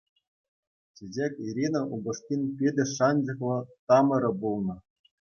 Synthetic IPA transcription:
t͡ɕid͡ʑekʲiɾʲinŏʔuɡŏʂt̪ʲinʲpʲedʲɘ̆ʂɑnʲd͡ʑɤ̆χlˠɤ̆t̪ɑmɤ̆ɾɤ̆bulˠnɤ̆

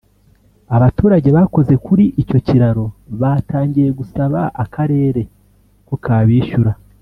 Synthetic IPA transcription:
aβatuːɾaɟe̞βako̞ze̞kuɾiʔico̞ciɾaɾo̞βataːɲɟiɾe̞ɡusaβaʔakʰaɾe̞ːɾe̞ | kokaːβiːʃuɾa

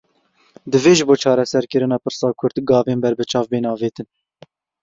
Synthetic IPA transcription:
d̪ɨveːʒɨboːt͡ʃʰɑːɾɛsɛɾkəɾɨnɑːpɨɾsɑːkʰʊɾd̪ɡɑːveːnbɛɾbɨt͡ʃʰɑːvbeːnɑːveːt̪ɨn

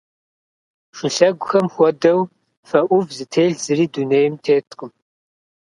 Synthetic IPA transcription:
ʂɨɬɐɡʷʊxɐmxʷɔdɐw | fɐʔʷʊvzɨtʰeːɮz̥ɨriːduneːjɪmtʰeːtʰʼqəm

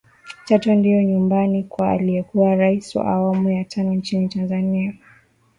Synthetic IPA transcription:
t͡ʃatɔndijɔɲumbanikwa̰ːlijɛkuwaɾaisiwa̰ʔawamujatʰanɔnt͡ʃinitanzania

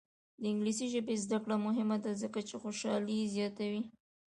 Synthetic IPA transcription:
d̪əɪŋɡlisiʒəbezd̪akɽamʊɦɪmad̪azəkat͡ʃexoʃɑlizjɑt̪awi

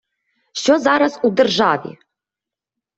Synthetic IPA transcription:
ʃozaɾasud̪ɨrʐavḭ

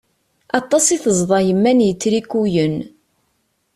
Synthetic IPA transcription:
ɑt̪ˤːɑsˤiθəzˤðˤɑjəmːænjət͡sːɾikːujən

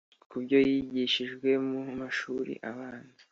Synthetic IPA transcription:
kubɟo̞jiɟiʃiʒɡwe̞mumaʃuːɾḭʔaβaːnzi̥

